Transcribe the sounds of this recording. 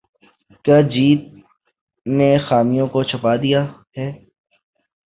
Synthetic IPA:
kjaːd͡ʒiːt̪̚ | nexaːmijõkot͡ʃʰəpad̪ijaɦɛː

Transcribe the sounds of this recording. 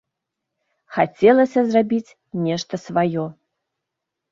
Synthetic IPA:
xat͡sʲɛlˠɐsʲɐzrabʲit͡sʲ | nʲɛʂt̪ɐsvajɔ

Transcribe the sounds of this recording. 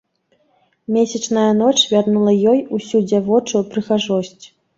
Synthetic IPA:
mʲesʲɐt͡ʂnɐjɐnɔt͡ʂvʲarnulˠɐjɔjusʲud͡zʲavɔt͡ʂɨpɾɨxaʐɔsʲt͡sʲ

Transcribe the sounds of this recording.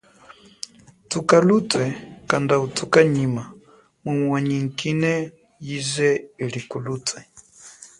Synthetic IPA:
tukalutwɛkandautʰukaɲima | mumwaɲiŋkinɛ | jizɛilikulutwɛ

